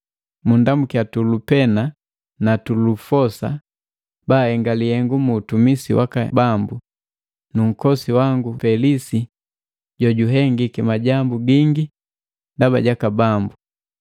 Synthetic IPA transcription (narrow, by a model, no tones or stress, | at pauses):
mundamukjatulupɛna | natulufɔsa̰ | baːhɛŋɡalihɛŋɡumuːtumisḭwa̰kabambu | nuŋ̩kɔsiwaŋɡufɛlisi | ɟɔɟuɦɛŋɡikimaɟambuɡiŋɡi | ndaba̰ɟakabambu